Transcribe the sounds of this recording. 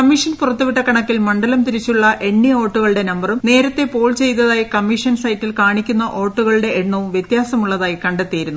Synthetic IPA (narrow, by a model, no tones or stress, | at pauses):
kɐmːiʂɐnpurɐt̪ːuʋiʈːɐkɐɳɐkːilmɐɳɖɐlɐmt̪iɾit͡ɕːuɭːɐʔe̞ɳːioːʈːuɣɐɭɨɽe̞nɐmbɐrumne̞ːɾɐt̪ːe̞po̞ːɭt͡ɕe̞jt̪ːɐðaːjikɐmːiʂɐnsɐjtːilkaːɳikʲːunːɐʔo̞ːʈːuɣɐɭɨɽe̞ːɳːɐʋumʋjet̪jaːsɐmuɭːɐðaːjikɐɳɖet̪ːijiɾunːu